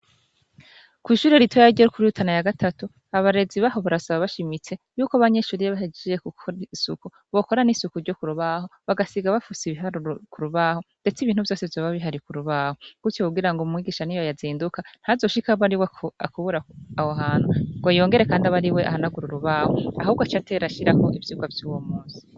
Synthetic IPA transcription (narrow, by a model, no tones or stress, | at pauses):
kwiːʃuːɾeɾitʰojaɟeɾukʰuɾiutʰanajaɡatʰatu | aβaɾe̞ziβaho̞βaɾasaβaβaʃimit͡se̞juːkaβaɲe̞ʃuːɾijaβaɦed͡ʒejekukosṵku | βo̞ko̞ɾanisukuɾɟo̞kuɾuβaho̞βaɡasiɡaβafusiβiɦaɾkuɾuβaːho̞nde̞t͡siβiːn̥huvjo̞ːsevjoːβaβiɦaɾikuɾuβaːhoɡ̥utjokuɡiɾaŋɡoumŋiːɡiʃanijojaziːndukan̥hazo̞ʃikaβaɾiweakuβuɾaahoɦaːn̥huŋɡojo̞ːŋɡe̞ɾe̞kaːndiaβaɾiwe̞ʔa̰hanaɡuɾuɾuβaːhoa̰huːβɡat͡ʃate̞ɾaʃiɾakoʔivjuːɡavjuːwomuːnsi̥